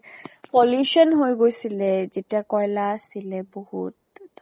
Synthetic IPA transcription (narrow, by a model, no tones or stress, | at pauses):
pɔljusɔnɦojɡojsilɛzetiakɔjlasilɛbohṵt̚